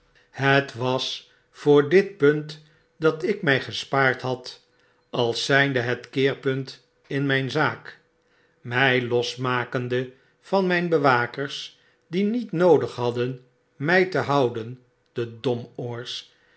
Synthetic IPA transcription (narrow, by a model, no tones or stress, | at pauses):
hətʋɑs | fʊːɹdɪt̚pɵnt | dɑtɪkmɛjχəspaːɹtɦɑt | ɑlˠsɛjndəɦətkɪːɹpɵnt | ɪnmɛjnzaːk | mɛjlɔsmaːkəndə | v̥ɑnmɛjnbəʋaːkəɹs | dinitnowdəχɦɑdən | mɛjtəɦɑwdən | d̥ədɔmɔɹs